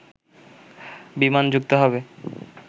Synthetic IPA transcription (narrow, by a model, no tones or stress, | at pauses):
bimand͡ʑuk̚t̪oɦɔβe